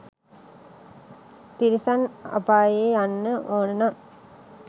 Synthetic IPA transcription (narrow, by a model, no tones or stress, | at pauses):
t̪iɾisana̰paːjeːanːəʔoːnənam